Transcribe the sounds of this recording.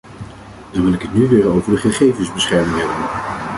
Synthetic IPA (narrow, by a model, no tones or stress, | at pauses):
dɑnʋɪlɪkɦətnyʋɪːɹowvəɹdəχəχejvənzbəsχɛɹmɪŋɦɛbən